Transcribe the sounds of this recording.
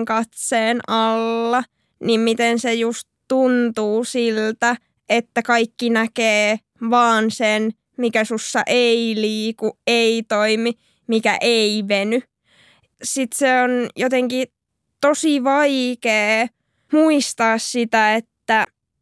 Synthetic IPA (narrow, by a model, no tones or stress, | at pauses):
ŋkɑt̪seːnʔɑlːɑ | nimmit̪ensejust̪ | tunt̪uːsilt̪æ | ʔet̪ːækɑikːinækeː | ʋɑːnsen | mikæsusːɑ̰ʔeiliːkuʔeit̪oimi | mikæ̰ʔeimeny | sit̪seonjot̪eŋki | t̪osiʋɑikeː | muist̪ɑːssit̪æet̪ːæ